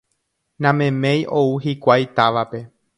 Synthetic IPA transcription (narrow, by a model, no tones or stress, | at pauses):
nãmẽ̞mẽ̞jʔo̞uɦikʷajt̪aʋape̞